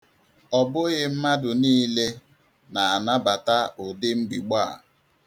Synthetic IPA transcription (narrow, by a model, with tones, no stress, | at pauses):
ɔ˨bʊ˦ɣɪ˦m̩˦ma˦dʊ˨niː˦le˦ | na˨a˨na˦ba˨ta˦ʊ˨dɪ˦ŋ͡m̩˦ɡ͡bi˨ɡ͡ba˦˨